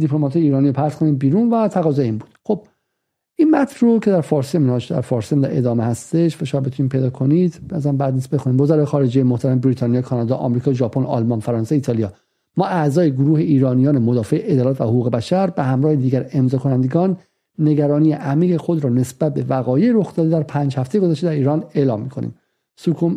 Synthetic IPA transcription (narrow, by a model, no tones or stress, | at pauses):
d̪ipʰlo̞mɒt̪ʰɒjeiːɾɒːniɾopʰæɾskʰoniːd̪̚biːɾuːnvæt̪ʰæɣɒːzɒeiːnbuːd̪xob̥̚ | ʔinmæt̪ʰɾocʰe̞d̪æɾfɒːɾseminɒʃd̪æ̰ɾfɒːɾsemd̪æḛd̪ɒːmehæst̪eʃvæʃɒmbet̪uniːmpʰejd̪ɒːkʰo̞nid̪bæzæmbæd̪niːsbe̞xuniːmvozæɾɒːjexɒːɾed͡ʒejemoht̪ʰæɾæmebɾiːt̪ʰɑːnijɑkʰɒːnɒd̪ɒːʔɒ̰mɾiːkʰɒːʒɒːpʰonɒ̰lmɒnfæɾɒːnseiːt̪ʰɒːlijɒ | mɒːʔæzɒːjeɡoɾuːhe̞iːɾɒːnijɒːne̞mod̪ɒːfeʔeʔed̪ɒːlæːt̪væhoɣuːɣe̞bæʃæɾbehæmɾɒːhed̪iːɟæɾe̞mzɒːkʰonænd̪eɡɒːnː | e̞ɡæɾɒːnijeʔæmiːɣexod̪ɾɒːne̞sb̥æt̪̚be̞væɣɒːjejeɾo̞xd̪ɒːd̪eæɾpʰæːnd͡ʒhæft̪eeɡo̞zæʃt̪eæɾiːɾɒːne̞lɒːmːikʰonḭːm | sukʰu